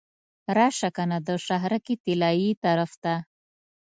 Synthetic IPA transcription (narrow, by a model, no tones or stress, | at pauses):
ɾɑʃakanad̪əʂaɦɾakit̪ɪlɑjit̪aɾaft̪a